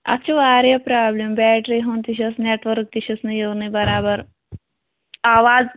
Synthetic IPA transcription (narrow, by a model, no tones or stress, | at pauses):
ɐ̰tːt͡ʃʰuʋaːɾjɐpɾaːblembaːʈɾiɦont̪iʃ̬ɐsneːʈʋɐɾk̚t̪iʃɐsnijunibɐɾaːbɐɾ | aːʋaːz